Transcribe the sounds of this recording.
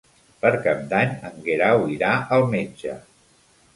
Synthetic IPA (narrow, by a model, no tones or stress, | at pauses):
pəɾkap̚d̪aɲə̰ŋɡeɾawiɾaəlˠmed͡ʒə